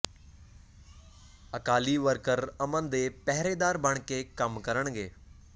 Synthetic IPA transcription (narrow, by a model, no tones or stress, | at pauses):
ɐkaːliʋəɾkəɾɐmə̃nd̪eːpɛɦɾeːd̪aːɾbəɳ̃keːkəmkəɾəɽ̃ɡeː